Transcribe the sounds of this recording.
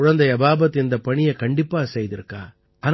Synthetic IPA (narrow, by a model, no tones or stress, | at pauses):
ʊɻɐnd̪ɐjɐbaːbɐt̪ːɛnd̪ɐpɐɳɪjɐkɐɳɖɪpːaːsɛjðɪɾɯkːaː | ʔɐn